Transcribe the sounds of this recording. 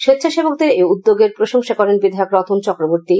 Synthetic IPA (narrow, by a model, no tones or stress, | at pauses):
ʃet̪ːɕʰaʃebok̚d̪eɾeud̪ːoɡeɾpɾoʃoŋʃakɔɾenbid̪ʱaokɾɔt̪ʰunt͡ɕɔkɾoboɾt̪i